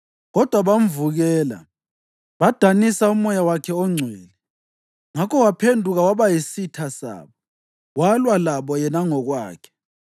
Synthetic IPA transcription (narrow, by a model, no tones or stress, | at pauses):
ɣɔd̥ʱwaβam̩vuɣɛːla̰ | βad̥ʱanisaumɔjawakʰɛɔŋ͡ǀʱwɛːlɛ | ŋakʰɔwapʰendʱuɣawaβajisitʰasa̰ːβɔ | walwalaβɔjɛnaŋɔɣwaːkʰɛ̥